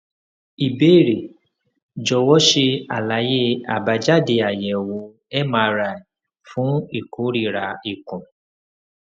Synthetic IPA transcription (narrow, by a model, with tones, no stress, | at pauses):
i˨be˦˨ɾe˨ | d͡ʒɔ˧˨wɔ˦ʃe˧a˨la˨˦je˦a˨ba˧d͡ʒa˦˨de˧˨a˨jɛ˨wo˨˦ | ɛ˦mã˦˧ɾa˧˨i˨ | fũ˦i˦˨ko˨˦ɾi˦˨ɾa˨˦i˨kũ˨